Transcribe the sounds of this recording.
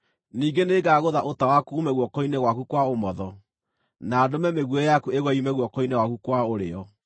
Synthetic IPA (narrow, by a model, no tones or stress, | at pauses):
niːɡeneːɡaɣoðaʔotawakuːmɛɣwɔkɔinɛɣwakukwaomɔðɔ | naːdomɛmeɣwɛjakueɣwɛimɛɣwɔkɔinɛɣwakukwaoɾḛɔ